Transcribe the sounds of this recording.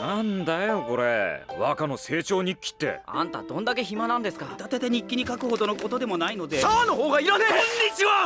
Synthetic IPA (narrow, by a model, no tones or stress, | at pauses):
nãnd̪ajo̞ko̞ɾe̞̰βakano̞se̞ːt͡ɕo̞ːɲ̟ikʲːi̥t̪ːe̞̰ã̰nt̪a̰d̪õ̞nd̪ake̞çimanãnd̪e̞sɨ̥kat̪at̪e̞t̪eɲ̟ikʲːiɲ̟ikakɯ̟ho̞d̪o̞no̞ko̞t̪o̞d̪e̞mo̞naino̞d̪e̞anoɦoːɡaiɾaneɲːit͡ɕiβa